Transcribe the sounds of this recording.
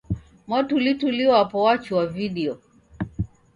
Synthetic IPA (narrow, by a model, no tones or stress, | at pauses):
mɔtulituliɔapɔwat͡ʃuwaviɗiɔ